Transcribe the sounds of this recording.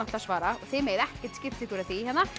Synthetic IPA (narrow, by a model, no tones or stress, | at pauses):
at̪asvaːɾaɔɣθɪmejðɛhcɪ̥ɾ̥t̪scɪft̪ɪk̪ʰuːɾaθiːhɛnːa